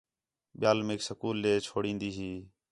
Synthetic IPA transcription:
ɓɪjaːlmeːksəkuːlːeːt͡ʃʰoːɽĩːnd̪iːɦiː

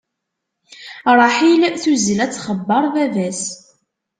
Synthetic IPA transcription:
ɾˤɑħilθuzəlæt͡sːχəbːɑɾˤðævæs

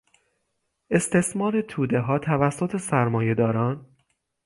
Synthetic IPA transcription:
ʔe̞st̪ʰe̞smɒːɾe̞t̪ʰuːd̪e̞ɦɒːt̪ʰævæsːot̪ʰe̞sæɾmɒːje̞d̪ɒːɾɒːn

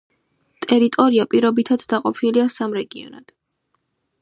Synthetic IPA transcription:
t̪ʼɛɾit̪ʼɔɾiapʼiɾɔbit̪ʰad̪d̪aqʼɔpʰiliasamɾɛɡiɔ̰na̰d̪̥

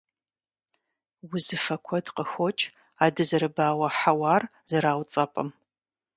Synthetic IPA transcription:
wʊzɨfɐkʷʰɔdqəxʷɔt͡ʃʼ | aːdɨzɨɾɨbaːwɐħawaːr | zɨɾaːwt͡sʼɐpʼɐ̰m

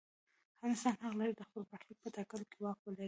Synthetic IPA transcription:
aɑnɪst̪ɑnhaɣlaɾid̪əxpəlbaxlik̚pət̪ɑkəlokewɑxwəlaɾi

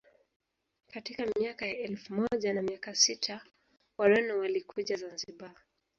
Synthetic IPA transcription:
katikamiakajaɛlfumɔʄanamiakasitʰa | waɾɛnɔwalikʰuʄazanziɓa

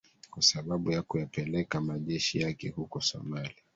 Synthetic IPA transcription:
kwasaɓaɓujakujapɛlɛkamaʄɛʃijakɛhukɔsɔ̰maliaa

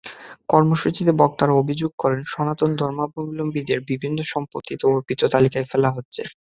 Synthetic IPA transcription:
kɔɾmoʃut͡ɕid̪ebɔk̚t̪aɾaobʱid͡ʑoɡ̚kɔɾenʃɔnat̪ond̪ʱɔɾmabʱomilombid̪eɾbibʱinːoʃɔmpot̪ːit̪eoɾpit̪ot̪alikaefelaɦotːɕʰḛ

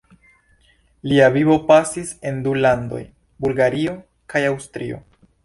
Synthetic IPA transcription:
liaviβo̞pasise̞ndulando̞̰j | bulɡaɾio̞ | kajawstɾio̞̰

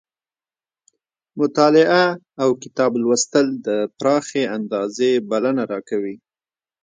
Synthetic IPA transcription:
mʊt̪ɑlɪʔaː | wkɪ̥t̪ɑblwəst̪əld̪əpɾɑxeand̪ɑzebalanaɾɑkawi

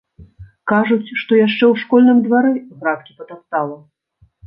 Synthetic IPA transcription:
kaʐut͡sʲʂt̪ɔjaʂt͡ʂɛwʂkɔlʲnɨmd̪vaɾɛɣɾat̪̚kʲipɐt̪ast̪alˠɐ

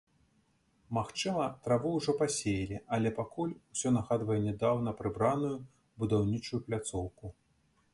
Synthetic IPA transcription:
maxt͡ʂɨmɐt̪ɾavɨwuʐɔpasʲejilʲiɐlʲɛpakulʲusʲɔnaɣad̪vɐjɛnʲɛd̪awnɐpɾɨbɾanuju | bud̪awnʲit͡ʂujuplʲat̪sɔwku

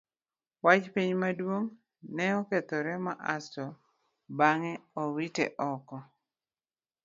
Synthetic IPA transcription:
wat͡ʃpiɲmadwoŋ | nɛɔket̪oɾɛmaʔastɔ | baŋɛowitɛ̰ʔɔkɔ

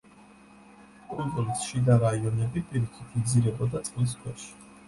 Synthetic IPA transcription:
pʼɾid̪ɔɾisʃid̪aɾaiɔnɛbipʼiɾikʰit̪ʰmd̪ziɾɛbɔd̪at̪sʼqʼlis̬kʰwɛʃi̥

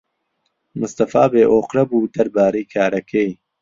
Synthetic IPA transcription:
mʊst̪ɐfaːbeːʔoːqɾɐbuːd̪ɐɾbaːɾejkʰaːɾɐkʰej

